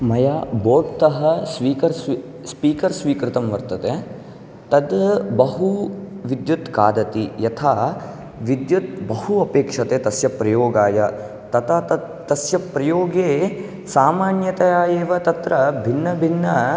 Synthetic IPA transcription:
mɐjaːboːʈt̪ɐɦɐsʋiːkɐɾsʋi | spiːkɐɾsʋiːkɾɪt̪ɐmʋɐɾt̪ɐt̪e | t̪ɐd̪bɐɦuʋid̪jut̪kaːd̪ɐt̪ijɐt̪ʰaː | ʋid̪jut̪̚bɐhuɐpeːkʂɐt̪eːt̪ɐsjɐpɾɐjoːɡaːjɐ | t̪ɐt̪a | t̪ɐsjɐpɾɐjoːɡeː | saːmaːnjɐt̪ɐjaːjeːʋɐt̪ɐt̪ɾɐbʱinːɐbʱinːɐ

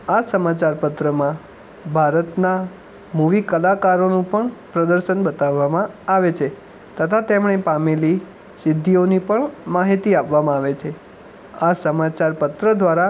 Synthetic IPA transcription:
asəmat͡ʃaɾpət̪ɾəmã | bʱaɾət̪na | muʋikəlakaɾonũpəɳpɾəd̪əɾʃənbət̪aʋːamãaʋet͡ʃʰe | t̪ət̪ʰat̪emɳ̃epameli | sɪd̪ʱːionipəɳmaɦit̪iapʋamãaʋet͡ʃʰe | asəmat͡ʃaɾpət̪ɾəd̪ʋaɾa

